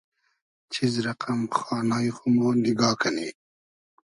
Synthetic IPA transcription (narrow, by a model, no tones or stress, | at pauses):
t͡ɕʰizɾɐqɐmxɑːnaːjxumoːniɡɑːkʰaniː